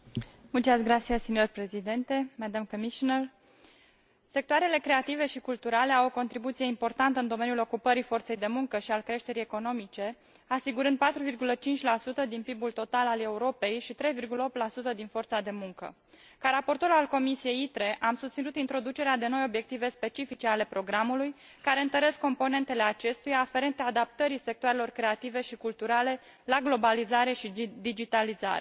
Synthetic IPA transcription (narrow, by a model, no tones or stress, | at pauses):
mult͡ʃasɡɾat̪sijassinjorpɾe̞zid̪ent̪e̞mɛd̪amkomiʃonər | se̞k̚t̪oaɾe̞le̞kɾe̞at̪ive̞ʃikult̪uɾale̞awo̞ko̞nt̪ɾibut̪sije̞impo̞rt̪ant̪əɨnd̪o̞me̞njulo̞kupəɾifo̞rt̪se̞jd̪e̞muŋkəʃialkɾe̞ʃt̪e̞ɾie̞ko̞no̞mit͡ʃe̞ | asiɡuɾɨnd̪̚pat̪ɾuvirɡulət͡ʃint͡ʃʲlasut̪əd̪inpibult̪o̞t̪alale̞uɾo̞pe̞jʃit̪ɾe̞jvirɡuləo̞p̚t̪lasut̪əd̪info̞rt̪sad̪e̞muŋkə̰ | kaɾapo̞rt̪o̞ɾualko̞misije̞jit̪ɾe̞ʔamsust̪sinut̪int̪ɾo̞d̪ut͡ʃe̞ɾead̪e̞no̞jo̞bje̞k̚t̪ive̞spe̞t͡ʃifit͡ʃe̞ale̞pɾo̞ɡɾamuluj | kaɾe̞ɨnt̪əɾe̞skːo̞mpo̞ne̞nt̪e̞le̞at͡ʃe̞st̪ujaːfe̞ɾe̞nt̪eaːd̪ap̚t̪əɾise̞k̚t̪oaɾe̞lo̞rkɾe̞at̪ive̞ʃikult̪uɾale̞ | laɡlo̞balizaɾe̞ʃid̪id͡ʒit̪aliza̰ɾe